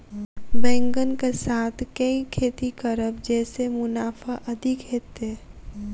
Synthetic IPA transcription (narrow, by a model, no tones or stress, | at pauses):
bɛ̃ːŋɡənkesaːt̪ʰkəĩkʰeːt̪ikəɾəb̚d͡ʒɛːsemʊnaːfaʔɐd̪ʱɪkɦeːt̪e